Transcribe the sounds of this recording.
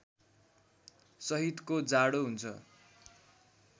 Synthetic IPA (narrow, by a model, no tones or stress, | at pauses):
sʌɦit̪kod͡zaɽoɦunt͡sʰʌ̰